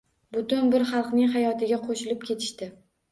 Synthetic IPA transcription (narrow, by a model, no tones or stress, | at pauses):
bʊt̪ʊnbɪɾχɑlˠqnɪŋɦajɒt̪ʰɪɡʲaqʰoʃɪlɪp̚kʲʰe̞t̪ʰɪ̥ʃt̪ɪ